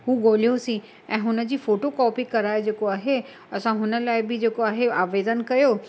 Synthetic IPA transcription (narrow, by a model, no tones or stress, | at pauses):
ɦuːɡoːl̤ijosĩ | ɛ̃ːɦʊnə̆d͡ʑiːfoːʈokɔːpikɐɾaːed͡ʑeːkoaːɦe | ɐsãɦʊnə̆laːɪbɪd͡ʑeːkoaːɦeaːʋeːd̪ənkɐjoː